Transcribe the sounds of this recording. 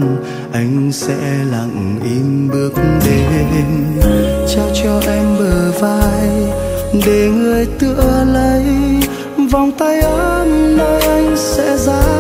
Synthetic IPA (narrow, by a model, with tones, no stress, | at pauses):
ʔa˧jŋ̟sɛ̰˧˥la̰˧˨ŋʔi˧˦mɓɨ˦˥ək̚ɗe˨˩˧ | t͡ɕaː˧wt͡ɕɔ˧ʔɛ˧mɓəː˨˩vaː˧j | ɗe˨˩ŋɨ˨˩əjt̪ɨ˧˨ələ˧˦j | va˨˩wŋ͡mt̪a˧jʔəː˧˦mno˧jʔa˧jŋ̟sɛ̰˧˥zaː˧˦